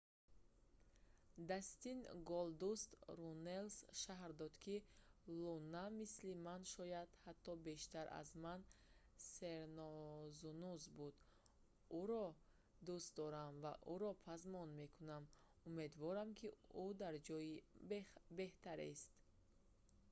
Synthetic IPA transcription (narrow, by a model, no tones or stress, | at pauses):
d̪ast̪inɡɔld̪ust̪ɾunelsʃaɦɾd̪ɔd̪kʰilɔnːamislimanʃɔjad̪hat̪ʰːɔbe̞ʃt̪aɾʔa̰zmanseɾnɔzunuzbud̪ | uɾɔ | d̪ust̪̚d̪ɔɾamva̰ʔuɾɔpʰazmɔnme̞kʰunam | ume̞d̪vɔɾamkʰiud̪aɾd͡ʒɔji | be̞ht̪aɾḛst̪